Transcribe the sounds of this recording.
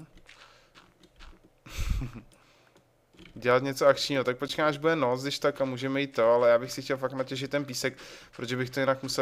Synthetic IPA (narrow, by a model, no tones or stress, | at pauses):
ɟɛlat̪ɲɛt͡soakt͡ʃɲiːɦot̪ak̚pot͡ʃkamaʒbudɛnot͡sdɪʃt̪akamuːʒɛmɛjiːt̪ːoalɛjaːbɪxsɪxcʲɛlfaknacɛʒɪt̪ːɛnpiːsɛk̚pɾoʒɛbɪxt̪ojɪnakmusɛ